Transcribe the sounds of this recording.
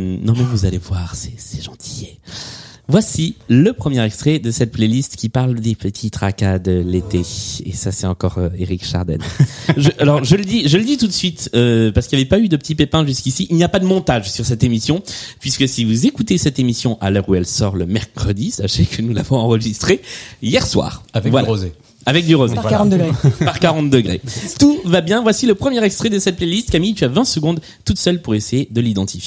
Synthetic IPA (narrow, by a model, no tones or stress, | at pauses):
nɔ̃mɛvuzalevwaʁsɛ̥sɛ̥ʒɑ̃t̪ʰi̥ | vwasiləpχəmjɛʁɛkst̪χɛd̪əsɛt̪̚plelist̪kʲipaʁld̪epət̪ʰit̪ʁakad̪əlet̪eḛsasɛt̪ɑ̃kɔʁøeʁikʃa̰ʁd̪ɛ̰nʒəʔalɔʁʒələd̪iʒələd̪it̪ut̪sɥit̪øpaʁsə̥kilavepayd̪əpət̪ipepɛ̃ʒyskʲisiʔːlnijapad̪əmɔ̃t̪aʒsyʁsɛt̪emisjɔ̃pɥiskəsivuzekut̪esɛt̪emisjɔ̃ʔa̰lœʁuɛlsɔ̰ʁləmɛʁkχəd̪isa̰ʃekənula̰vɔ̃ɑ̃ʁəʒist̪χejɛʁswa̰ːʁavɛvwalaoz | avɛk̚d̪yʁozeʁ̃t̪d̪ɡʁepaʁkaʁɑ̃t̪̚d̪əɡʁet̪uvabjɛ̃vwasiləpχəmjɛʁɛkst̪χɛd̪əsɛt̪̚plɛlist̪̚kamijt̪yavɛ̃səɡɔ̃d̪ | t̪ut̪sœlpuʁesejed̪əlid̪ɑ̃t̪ifje